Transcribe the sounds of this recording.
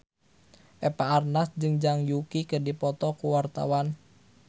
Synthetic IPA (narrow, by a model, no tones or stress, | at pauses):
ʔɛpaːrnasd͡ʒɨŋd͡ʒaŋjukikɨrdipɔt̪ɔkuwart̪a̰wan